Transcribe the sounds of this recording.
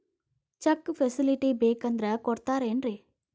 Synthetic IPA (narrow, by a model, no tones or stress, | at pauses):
t͡ʃɐkːpʰesiliʈibeːkɐnd̪ɾɐkɔɽt̪aːɾeːnɾi